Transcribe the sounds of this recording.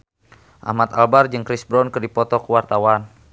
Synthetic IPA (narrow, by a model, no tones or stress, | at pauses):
ʔa̰mat̪albard͡ʒɨŋkɾisbɾɔnkɨrdipɔt̪ɔkəwart̪awan